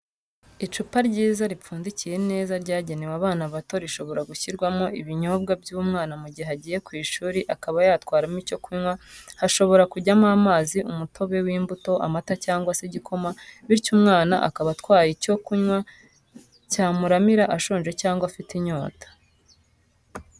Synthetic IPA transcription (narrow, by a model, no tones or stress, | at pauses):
it͡ʃupaɾɟiːzaɾip͡fuːndicije̞ne̞ːzaɾɟaːɟe̞newaβaːnaβato̞ɾiʃo̞βo̞ɾaɡuçiɾɡwamoʔiβiɲo̞b̚ɡabjuːmŋaːnamuɟiaɟiːje̞kwiːʃuːɾiʔakaβajaːtwaːɾamico̞kuɲwahaʃo̞βo̞ɾakuɟamamaːziʔumutʰo̞βe̞wiːmbuto̞ʔa̰matacaːŋɡwaseɟikʰo̞maβiɾcumŋaːna̰ʔa̰kaβatkwaːjico̞kuɲwa | caːmuɾamiɾaʔaʃoːnd͡ʒe̞caːŋɡwafitiɲo̞ːtḁ